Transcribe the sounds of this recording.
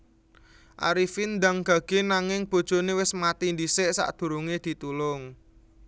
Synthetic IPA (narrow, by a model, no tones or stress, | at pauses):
ʔa̰ɾifind̪aŋɡ̥ä̤ɡ̥e̤naŋɪŋb̥o̤d̥ʒ̥o̤newɪsmat̪ind̪isɪʔsa̰ʔd̪̥ṳɾuŋed̪̥i̤t̪ulʊŋ